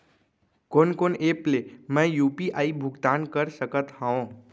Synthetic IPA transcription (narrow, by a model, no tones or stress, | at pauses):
konkonʔeplemə̃jupiʔaibʱuɡt̪ankəɾsəkət̪hãõ